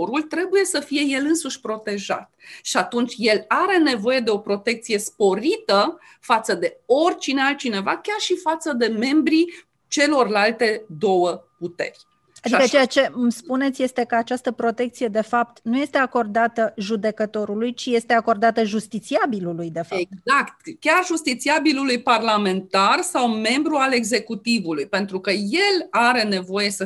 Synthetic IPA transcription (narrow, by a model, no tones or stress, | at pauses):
ɾult̪ɾe̞buje̞səfije̞je̞lɨnsuʃʲpɾo̞t̪e̞ʒa̰t̪ʃiat̪unt͡ʃʲje̞laɾe̞ne̞vo̞je̞d̪e̞o̞pɾo̞t̪e̞k̚t̪sije̞spo̞ɾit̪ə | fat̪səd̪e̞o̞rʲt͡ʃinealt̪̚t͡ʃine̞vakʲarʃifat̪səd̪e̞me̞mbɾi | t͡ʃe̞lo̞rlalt̪e̞d̪o̞wəput̪e̞̰rʲ | ad̪ikət͡ʃejat͡ʃe̞mspune̞t̪sʲje̞st̪e̞kəat͡ʃast̪əpɾo̞t̪e̞kt̪sije̞d̪e̞fap̚t̪nuje̞st̪e̞ako̞rd̪at̪əʒud̪e̞kət̪o̞ɾulujt͡ʃije̞st̪e̞ako̞rd̪at̪əʒust̪it̪siabilulujd̪e̞faezakt̪kʲarʒust̪it̪siabilulujparlame̞nt̪arsawme̞mbɾuale̞ɡze̞kut̪ivulujpe̞nt̪ɾukəje̞laɾe̞ne̞vo̞je̞sə